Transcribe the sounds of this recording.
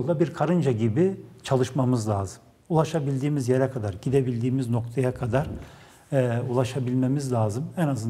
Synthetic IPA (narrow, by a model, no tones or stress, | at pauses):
lˠd̪abiɾkʰaɾɯnd͡ʒaɟibit͡ʃʰalˠɯʃmamɯzlʲaːzɯm | ulˠaʃabilʲd̪iːmizjeɾɛkʰad̪aɾɟid̪e̞bilʲd̪iːmizno̞k̚t̪ʰajakʰad̪aɾ̥ | ulˠaʃabilʲmemizlʲaːzɯmɛnazɯn